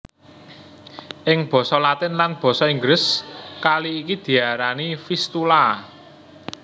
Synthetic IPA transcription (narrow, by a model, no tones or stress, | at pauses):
ʔɪŋb̥ɔ̤sɔlat̪ɪnlanb̥ɔ̤sɔiŋɡɾɪskaliːkid̪̥i̤aɾanifist̪ula